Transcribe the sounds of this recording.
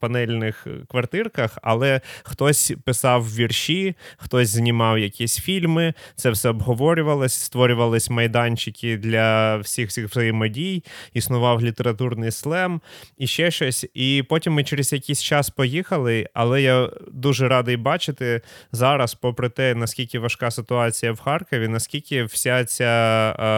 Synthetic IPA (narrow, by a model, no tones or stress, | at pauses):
pɐnɛlʲnɪxkʋɐrt̪ɪrkɐxɐ̰lˠɛxt̪ɔsʲpɪsɑwʋʲirʃixt̪ɔsʲznʲɪmɑwjɐkʲisʲfʲilʲmɪt̪sɛwsɛɔbɦɔʋɔɾʲʊʋɐlˠɔsʲst̪ʋɔɾʲʊʋɐlˠɪsʲmɐjd̪ɑnʲt͡ʃɪkʲɪd̪lʲɐwsʲixsʲixʋzɐjɪmɔdʲijisnʊʋɑwlʲit̪eɾɐt̪urnɪjslˠɛmiʃt͡ʃɛʃt͡ʃɔsʲipɔtʲimːɪt͡ʃeɾezʲjɐkʲijsʲt͡ʃɑspɔjixɐlˠɪɐ̰lˠɛjad̪uʒɛɾɑd̪ɪjbɑt͡ʃɪt̪ɪzɑɾɐspɔpɾɪt̪ɛnɐskʲilʲkʲɪʋɐʃkɑsɪt̪ʊɑt͡sʲijɐwxɑrkɔʋʲinɐskʲilʲkʲɪwsʲat͡sʲa